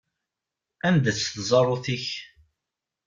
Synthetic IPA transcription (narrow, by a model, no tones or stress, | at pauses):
ænd̪æt͡sːθzˤɑrˤːoθiç